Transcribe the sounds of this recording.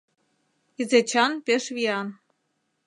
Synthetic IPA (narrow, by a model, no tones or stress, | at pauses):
izet͡ɕɑnpeʃβiɑn